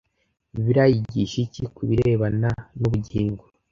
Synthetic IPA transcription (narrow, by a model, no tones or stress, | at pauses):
βiɾajiɟiʃicikuβiɾeβananuβuɟiːŋɡo